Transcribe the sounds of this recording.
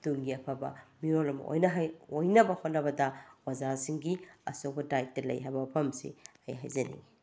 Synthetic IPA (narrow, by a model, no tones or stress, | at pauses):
tuŋɡiɐpʰɐbɐ̰miɾolɐmɐ̰ʔo̰jnɐɦjojnɐbɐhot̚nɐbɐdɐwɐzasiŋɡiɐ̰sobɐdajk̚tɐlɐ̰jɦajbɐpʰɐmsḭɐjɦa̰jzɐnḭɡi